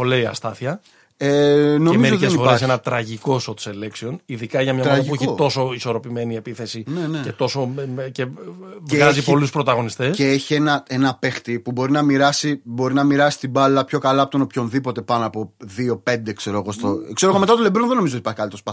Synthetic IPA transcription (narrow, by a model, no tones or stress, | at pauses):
oleiɐ̰st̪ɐθçɐ | eno̞mieoit̪eesnifoesenɐt̪ɾɐʝiko̞sot̪seleksio̞niðikɐʝɐmɲɐmɾɐɐipueçit̪o̞so̞iso̞ɾo̞pime̞nie̞piθe̞sinenece̞t̪o̞so̞meceveɣɐzipo̞luspɾo̞t̪ɐɣo̞nist̪eseeçie̞nɐe̞nɐpe̞xt̪ipubo̞ɾinɐmiɾɐsibo̞ɾinɐmiɾɐsi̥st̪ibɐlɐpço̞kɐlɐpot̪onopço̞nðipo̞t̪e̞pɐnoɐːpo̞ðio̞pe̞nd̪e̞kse̞ɾo̞ɣo̞st̪okse̞ɾoɣomet̪ɐt̪olebɾonðe̞noizot̪ipɐɾçikɐlit̪ospɐ